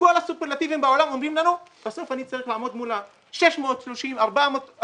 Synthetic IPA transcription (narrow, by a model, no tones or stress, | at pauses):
kolasupeʁlat̪ivimbaolamomdimlanub̥eso̞fanit͡saʁiχlaamo̞d̪mula | ʃe̞ʃmeot̪ʃloʃimaʁbamot̪